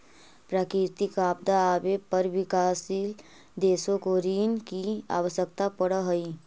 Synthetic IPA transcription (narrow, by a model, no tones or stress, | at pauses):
pɾaːkɪɾt̪ikaːp̚d̪aːbepəɾʋɪkaːsil | d̪eːsõkoɾiːnkia̰ːʋəsək̚t̪apəɽəɦəi